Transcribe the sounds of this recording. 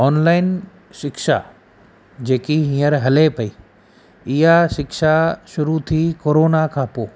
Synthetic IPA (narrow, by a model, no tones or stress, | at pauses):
ɔːnlaːɪn | ʃɪkʃa̰ | d͡ʑeːkiɦĩːəɾɦɐlepɐiː | ɪjɦaʃɪkʃaʃʊɾut̪ʰikoːɾoːnakʰãːpoː